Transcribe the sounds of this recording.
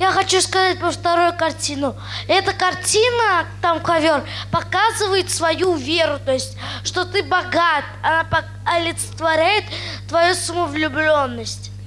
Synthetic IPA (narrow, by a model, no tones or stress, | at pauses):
jaxɐt͡ɕuskɐzat̚ʲpəft̪ɐɾojʊkɐrtʲinʊ | ɛt̪əkɐrtʲinət̪amkɐvʲor | pɐkazɨvəjɪt̪svɐjuvʲeɾʊt̪o̞jɪsʲtʲ | ʂt̪o̞t̪ɨbɐɡat̪ɐnapɐ | ɐlʲɪt̪sə̥t̪vɐɾʲæjɪt̪ː | vɐjusəməvlʲʊblʲonːəsʲtʲ